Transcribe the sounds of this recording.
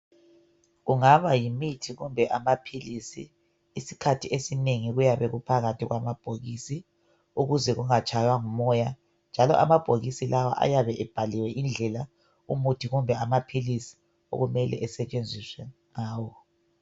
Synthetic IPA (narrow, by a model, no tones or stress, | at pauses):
ɣuŋaβajimitʰiɣumbʱɛʔamapʰilisḭː | sikʰatʰiesineŋiɣujaβɛɣupʰaɣatʰiɣwamab̥ʱoɣisi | uɣuzɛɣuŋat͡ʃʼajwaŋumɔja | nd͡ʒʱalɔ̰ʔa̰mab̥ʱoɣisilawa̰ʔa̰jaβɛʔɛb̥ʱaliwɛʔind͡ɮʱɛla | ṵmutʰiɣumbʱɛamapʰilisi̥ | o̰ɣumɛlɛ̰ʔɛsɛt͡ʃʼend͡zʱiswɛŋaːwɔ